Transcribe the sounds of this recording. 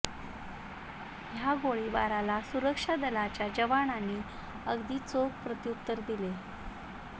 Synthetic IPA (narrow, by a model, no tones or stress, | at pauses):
ɦjaɡoɭiba̰ɾalasuɾəkʂad̪əlat͡ɕjad͡ʑəʋaɳanːiː | əɡd̪iːt͡sokpɾət̪ijukt̪ːəɾd̪ile